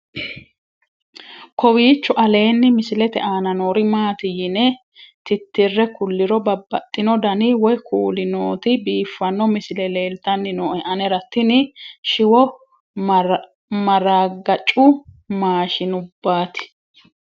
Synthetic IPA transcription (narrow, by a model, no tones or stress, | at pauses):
kʰɔwiːt͡ʃːʊʔɐle̞ːnːɪmɪsɪlɛt̪ɛ̰ʔaːnɐnoːɾɪmaːt̪ɪjɪnɛ | t̪ɪt̪ːɪrːɛkʊlːɪɾɔbɐbːɐt̪ʼːɪnɔd̪ɐnɪwɔjkʰuːlɪnoːt̪ɪbiːfːɐnːɔmɪsɪlɛleːlt̪ɐnːɪnoːʔɛʔɐnɛɾɐt̪ːɪnɪʃɪwɔ | mɐɾaːɡɐt͡ʃʼːʊ | maːʃɪnʊbːaːt̪ɪ̥